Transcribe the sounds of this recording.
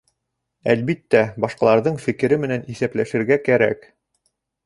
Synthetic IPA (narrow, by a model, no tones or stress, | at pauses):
ælbit̪ːæbɑʃqɑlˠɑɾðɤɴfɘ̆kɘ̆ɾɘmɘ̆næniθæplæʃɘ̆ɾɡækæɾæ̰k